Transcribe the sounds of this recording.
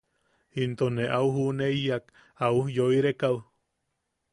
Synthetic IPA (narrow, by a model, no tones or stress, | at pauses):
int̪oneʔauhunejak | aujoiɾekaw